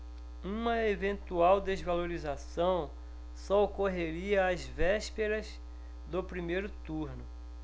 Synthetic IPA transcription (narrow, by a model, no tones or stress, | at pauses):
ũmɐevẽnt̪uawd̪ezvaloɾizasɐ̃w̃ | sɔokoɦeɾiɐːzvɛʃpeɾɐz | d̪ʊpɾimejɾʊt̪uɾnʊ